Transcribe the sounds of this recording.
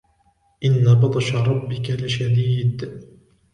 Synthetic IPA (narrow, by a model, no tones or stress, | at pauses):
ʔɪnːabɑd̪ˤɑʃaɾˤɑbːɪkalɪʃad̪iːd̪